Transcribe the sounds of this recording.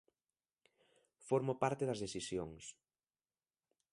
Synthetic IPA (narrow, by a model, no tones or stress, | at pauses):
foɾmopaɾt̪eðɐzðesθisjoŋs